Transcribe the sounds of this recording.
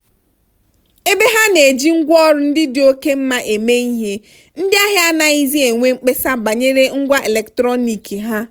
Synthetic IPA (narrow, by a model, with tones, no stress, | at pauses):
e˦be˦ɦa˦ne˨d͡ʒi˦ŋ̩˦ɡʷɔ˦ɾʊ˦n̩˦dɪ˦dɪ˨o˦ke˦m̩˦ma˦ʔe˨me˦i˦ɦe˦ | n̩˦dɪ˦a˦ɦɪ˦a˦na˦i˦zi˦e˨ŋʷe˦ŋ͡m̩˦k͡pe˦sa˦ba˨ɲe˦ɾe˦ŋ̩˦ɡʷa˦ʔe˨le˨ktɾɔ˦ni˨ki˨ɦa˦